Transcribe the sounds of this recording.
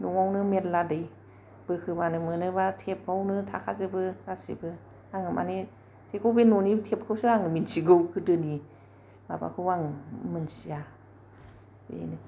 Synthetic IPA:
nuŋawnɯmetladɯj | b̥ɯkʰɯbanɯmɯnɯβatʰep̚awnɯtʰa̰kʰazɯbɯkasḭbɯ | aŋɯmʔa̰ne | tʰekʰɯwbenɔnitʰep̚kʰɯwsɯaŋɯminsiɡɯwkʰɯdɯni | ma̰ba̰kʰɯwaŋmɯnsija | bḛnɯ

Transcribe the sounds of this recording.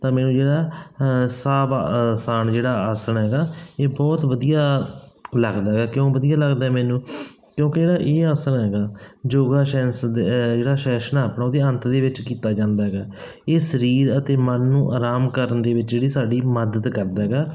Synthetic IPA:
t̪ãːmɛːnũːd͡ʒeːɽaː | saːbasaːnd͡ʒeːɽaːaːsəɳɦɛːɡaːeːbɔːt̪ʋəd̪ijaːləɡd̪aːɦɛɡaːkjõːʋəd̪ijaːləɡd̪aːɦɛːmɛːnũː | kjõːkɪd͡ʒeːɽaːʔeːaːsəɳɦɛːɡaːd͡ʒoːɡaːʃɛːsd̪d͡ʒeːɽaːʃɛːʃənaːpɳaːoːd̪eːənt̪d̪eːʋɪt͡ʃkiːt̪aːd͡ʒãːnd̪aːɦɛɡaː | eːsəɾiːɾət̪eːmənːũːʔaːɾaːmkəɾənd̪eːʋɪt͡ʃd͡ʒeːɽiːsaːɖiːməd̪ət̪kəɾd̪aːɦɛːɡaː

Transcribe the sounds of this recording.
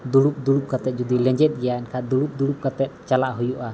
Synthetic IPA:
d̪uɽup̚d̪uɽup̚kat̪ɛt̪̚d͡ʒɔd̪ilɛ̃ɲd͡ʒɛt̪̚ɡɛjaɛnkʰad̪uɽup̚d̪uɽup̚kat̪ɛt̪̚t͡ʃalaʔɦujuʔa

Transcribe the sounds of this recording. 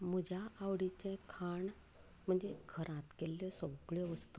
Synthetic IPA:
m̤əd͡ʑʱaaʋɽit͡ɕɛ̃kʰaɳ | m̤əɳd͡zekʰəɾãt̪kelːɔsɔɡɭjɔʋəst̪u

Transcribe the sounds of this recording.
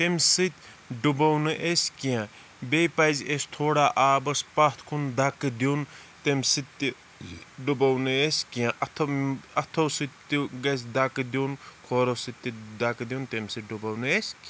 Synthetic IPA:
t̪emʲsɨt̪ʲ | ɖubɐwnɨʔesʲkijã | bejpazʲesʲt̪ʰoːɽaːʔaːbɐspat̪ʰkʰund̪akɨd̪ion | t̪emʲsɨt̪ʲːi | ɖubɐwnɨesʲkijãʔɐt̪ʰɐt̪ʰosɨt̪ːiɡɐsʲd̪akd̪ionkʰoːɾosɨt̪ʲːid̪akd̪ʲjont̪emʲsɨt̪̚ɖubɐwnɨesʲk

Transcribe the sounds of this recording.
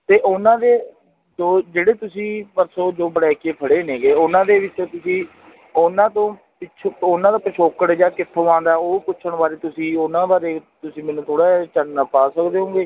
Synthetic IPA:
t̪eːʔʊnãːd̪eː | d͡ʒoːd͡ʒeːɽeːt̪ʊsĩːpəɾsoːd͡ʒoːbəɽɛːkeːpʰəɽeːneːɡeːʊnãːd̪eːʋɪt͡ʃtõːt̪ʊsĩː | ʊnãːt̪õː | pɪt͡ʃʰoʊnãːd̪aːpəʃoːkəɽd͡ʒaːkɪt̪ʰːoːãːnd̪aːoːkʊt͡ʃʰəɳbaːɾeːt̪ʊsĩːonãːbaːɾeːt̪ʊsĩːmɛːnũːt̪oːɽaːt͡ʃənːaːpaːsəkd̪eːɦõːɡeː

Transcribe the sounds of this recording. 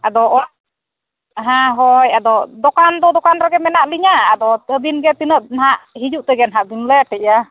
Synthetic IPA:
ad̪ɔʔɔ | ɦãɦɔjad̪ɔd̪ɔkand̪ɔd̪ɔkanɾaɡɛmɛnaʔliɲaad̪ɔəbinɡɛt̪inəʔ̚nɦaʔhid͡ʒuʔt̪ɛɡɛnaɦaʔbinlɛʈɛa

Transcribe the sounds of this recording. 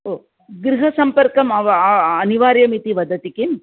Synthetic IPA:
oː | ɡɾɪɦɐsɐmpɐɾkɐmɐʋɐɐniʋaːɾjɐmit̪iʋɐd̪ɐt̪ikim

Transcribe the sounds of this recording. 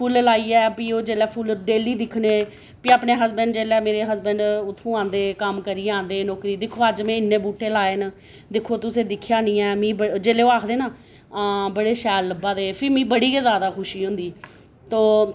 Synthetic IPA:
pʰuːllaːiːɛːpiːoːd͡ʒeːlɛːpʰuːlɖeːliːd̪ɪkʰneː | piaːpneːɦəsbəɳɖd͡ʒeːlɛːmeːɾeːɦəsbəɳɖʊt̪ʰːũːãːnd̪eːkəmkəɾiːãːnd̪eːnɔːkɾiːd̪ɪkʰːoːəd͡ʒmɛ̃ːɪnːeːbuːʈːeːlaːeːn | d̪ɪkʰoːt̪ʊsẽːd̪ɪkʰːjaːnĩːɛːmĩːbəd͡ʒeːleːoːaːkʰd̪eːnaː | bəɽeːʃɛːlːəbaːd̪eːpʰɪɾmĩːbəɽiːkeːzjaːd̪aːkʰʊʃiːɦʊ̃ːnd̪iː | t̪oː

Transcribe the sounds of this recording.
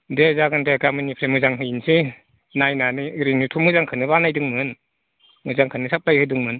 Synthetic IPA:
dezaɡɯndʰeɡamɯnipʰɾemɯzaŋɦɯjinsi | najnaniɯɾinitʰumɯzaŋkʰɯnɯbanajdɯŋmɯn | mɯzaŋkʰɯnɯsʰap̚lajhɯdɯŋmɯn

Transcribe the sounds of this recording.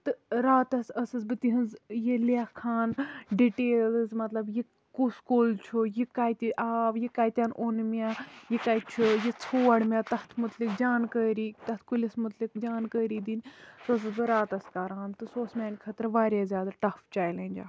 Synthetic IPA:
t̪ɨɾaːt̪ɐsɐsɨzbɨt̪iɦɨnzjelakʰːaːnɖiʈeːlzmɐt̪lɐbje | kuskoːlt͡ʃʰujikaːt̪iʔaːʋjekaːjt̪ʲjaːnonmʲaːjekaːj̪t͡ʃʰujet͡sʰoːɐɽmʲaːt̪ɐht̪ʰmut̪lik̚d͡ʒaːnkəːɾiːt̪ɐt̪ʰkulʲɐsmut̪likd͡ʒaːnkəːɾiːd̪inʲsoɐs̬ɨzbɨɾaːt̪ɐskaɾaːnt̪ɨsoːsmʲaːnʲkʰɐt̪ɾʋaːɾʲjaːzʲjaːd̪aʈɐft͡ʃaːjlɐːnʲd͡ʒa̰ː

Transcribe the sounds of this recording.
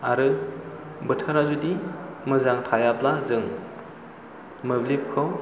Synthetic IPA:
aɾɯ | bɯtʰaɾnazudimɯzaŋtʰajaplazɯŋ | mɯblip̚kʰɯw

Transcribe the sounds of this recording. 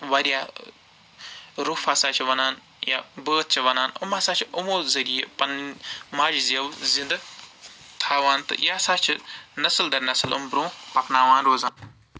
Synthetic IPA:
ʋɐɾijaː | ɾuːfaːsaːt͡ʃʰiʋɐnaːn | ja̰ːbəːt̪̚t͡ʃʰiʋɐnaːnṵmaːsaːt͡ʃʰiumoːzɐɾijepɐnmaːd͡ʒizɐwzĩnd̪ɐ | t̪ʰaːʋaːnt̪ɨ̰jaːsaːt͡ʃʰinɐsld̪ɐɾnɐslṵmbɾõːpɐknaːʋãːnɾoːzaːn

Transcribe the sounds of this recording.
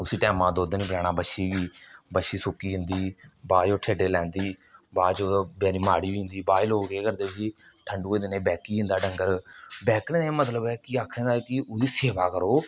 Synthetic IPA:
ʊsiːʈɛːmãːd̪oːd̪niːpəɾɛːɽaːbəʃiːɡiːbəʃiːsʊːkiːɦɪ̃nd̪iːbaːd͡ʒoːʈʰeːɖeːlɛ̃ːnd̪iːbaːd͡ʒoːbɛːɾiːmaːɽiːʊ̃nd̪iːbaːɪloːɡeːkəɾd̪eːd͡ʒiː | ʈʰəɳɖuːeːd̪eneːbɛːkiːɦɪ̃nd̪aːɖəŋɡəɾbɛːkʰnẽːd̪aeːmət̪ləbɛːkiaːkʰẽːd̪aːkɪʊd̪iːseːʋaːkəɾoː

